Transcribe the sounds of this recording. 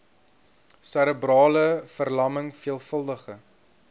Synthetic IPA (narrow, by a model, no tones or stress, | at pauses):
sæɾəbrɑːləfərlɐməŋfiəlˠfəlˠdəχə